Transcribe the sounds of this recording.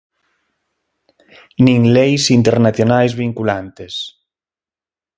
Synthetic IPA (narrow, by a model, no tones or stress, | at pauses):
nĩŋlejsint̪eɾnaθjonajzβiŋkulant̪es